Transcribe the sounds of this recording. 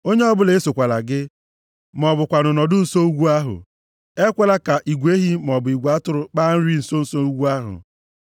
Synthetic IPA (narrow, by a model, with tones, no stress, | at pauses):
o˦ɲe˦ɔ˦bʊ˦le˨˦so˨kʷa˨la̰˨ɡɪ˦ | m˨ɔ˨bʊ˨kʷa˨nʊ˨nɔ˨dʊ˦n̩˨so˦u˦ɡʷu˦a˦ɦʊ̰˨ | e˦kʷe˦la˦ka˨ʔi˨ɡʷe˦ɦi˦m˨ɔ˨bʊ˨i˨ɡʷu˨a˦tʊ˨ɾʊ˨k͡pa˦n̩˦ɾi˦n̩˨so˦n̩˨so˦u˦ɡʷu˦a˦ɦʊ̰˨